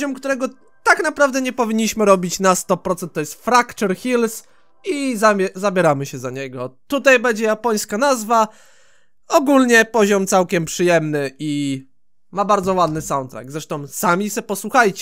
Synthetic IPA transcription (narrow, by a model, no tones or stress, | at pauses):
ɔmkt̪uɾɛɡɔ | t̪aknapɾavd̪ɛɲɛpɔvʲiɲːiɕmɘɾɔbʲit͡ɕnast̪ɔpɾɔt̪sɛnt̪ːɔjɛst̪fɾakt͡ʂɛɾxʲils | izaɛzabʲjɛɾamɘɕɛzaɲɛɡɔt̪ut̪ajbɛɲd͡ʑɛjapɔj̃skanazva | ɔɡulɲɛpɔʑɔmt̪sawkʲɛmpʂɘjɛmnɘʔi | mabaɾd̪zɔwad̪nɘsawnt̪ɾa̰ɡ̚d̪zɾɛʂt̪ɔ̃w̃samʲisɛpɔswuxajt͡ɕɛ